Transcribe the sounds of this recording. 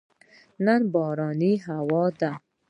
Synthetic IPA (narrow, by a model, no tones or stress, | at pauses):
nanbɔːɾɔniɦawɔd̪a